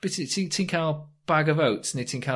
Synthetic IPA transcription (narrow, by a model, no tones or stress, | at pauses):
b̥ɪttʰitʰɪ̃ŋkʰaʊlˠb̥aɡəvoʊtsnɪtʰɪ̃ŋkʰa